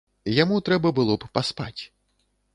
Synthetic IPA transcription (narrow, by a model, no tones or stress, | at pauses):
jamut̪ɾɛbɐbɨlˠɔppaspa̰t͡sʲ